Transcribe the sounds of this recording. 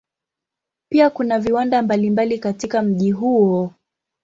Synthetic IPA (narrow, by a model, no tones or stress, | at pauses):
piakunaviwandambalimbalikatikam̩ʄiɦuɔ